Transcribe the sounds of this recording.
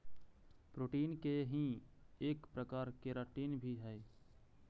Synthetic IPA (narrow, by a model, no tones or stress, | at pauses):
pɾoːʈiːnkeɦĩeːkpɾəkaːɾkeɾəʈiːnbʱiɦɛe